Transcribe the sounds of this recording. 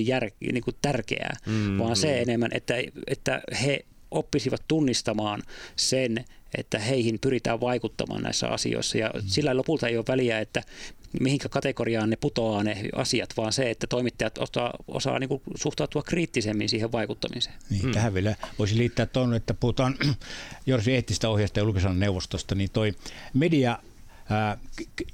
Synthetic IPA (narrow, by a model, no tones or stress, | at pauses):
jjærkniːŋkut̪ærkḛæ̰ːʋɑːnseenemːænʔḛt̪ːæet̪ːæ̰he | ʔopːisiʋɑt̪t̪unːist̪ɑmɑːnsenʔḛt̪ːæheihimpyrit̪æ̰ːʋʋɑikut̪ːɑ̰mɑ̰ːnæ̰isːæ̰ɑ̰sḭo̰isːɑjɑ̰silːæilopult̪ɑeioːʋʋæliæet̪ːæmihiŋkækɑt̪ekoriɑːnneput̪oɑːneɑ̰siɑt̪ʋɑːnseet̪ːæt̪oimit̪ːɑjɑt̪o̰t̪ɑ̰ʔo̰sɑ̰ːniːŋkusuht̪ɑut̪uɑkriːt̪ːisemːinsiːheʋʋɑikut̪ːɑmise̥ːnniːt̪æhæʋʋielæʋoˑisiliːt̪ːæːt̪t̪onːeet̪ːæpuhut̪ɑːnjorsieht̪ːˑist̪æohjɑst̪ɑjɑulkisɑnneuʋost̪ost̪ɑniːnt̪oimediɑː